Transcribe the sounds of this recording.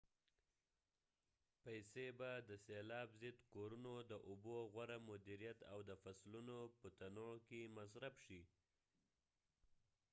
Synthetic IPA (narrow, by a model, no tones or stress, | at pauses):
pajsebad̪əselɑbzɪd̪koɾunod̪əʔʊboɣwaɾamʊd̪iɾijat̪awd̪əfaslunopət̪anokemasɾafʃi